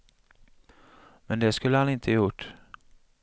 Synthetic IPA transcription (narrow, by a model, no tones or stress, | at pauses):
mɛnd̪ɛskɵlːəhanɪnt̪ʰəjʊʈː